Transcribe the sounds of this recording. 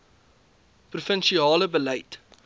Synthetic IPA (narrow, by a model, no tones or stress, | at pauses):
prufənʃiɑːləbəlɛjt